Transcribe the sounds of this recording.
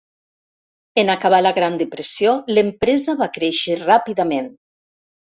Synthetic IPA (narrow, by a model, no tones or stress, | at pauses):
enakaβ̞alaɣɾand̪əpɾesijolempɾɛzəβakɾeʃərapiðamen